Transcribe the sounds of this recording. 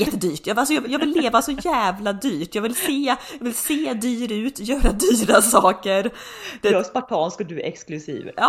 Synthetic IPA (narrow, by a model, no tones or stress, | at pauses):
jɛt̪ːəd̪yːʈjɑːalsɔjɑːɡvjɑːɡvɪlːeːvasɔjæːvlad̪yːʈjɑːɡvɪlseːjɑːvɪlseːd̪yːɾʉ̟ːt̪jœːɾad̪yːɾasɑːkəɾ | d̪̥ɛspaʈʰɑːnskɔd̪ʉɛ̰ksklʉsḭːvɑː